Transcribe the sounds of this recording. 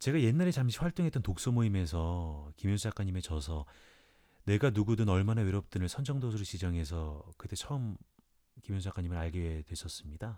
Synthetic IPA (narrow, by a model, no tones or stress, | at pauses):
t͡ɕe̞ɡaje̞nːaɾe̞t͡ɕamɕʰiɸwaɭt͈oŋɦe̞t͈ʌntok̚s͈ʌmoime̞s̬ʰʌkimjʌnsʰud͡ʑak͈aɲime̞t͡ɕʌsʰʌ | ne̞ɡanuɡudɯnʌɭmanaweɾʌp̚t͈ɯnɯɭsʰʌnd͡ʑʌŋdos̬ʰuɾɯɭɕid͡ʑʌŋɦe̞s̬ʰʌkɯt͈ʰe̞t͡ɕʰʌɯm | kimjʌnsʰjak͈aɲimɯɾaɭɡeedwe̞sʰʌs͈ɯmɲida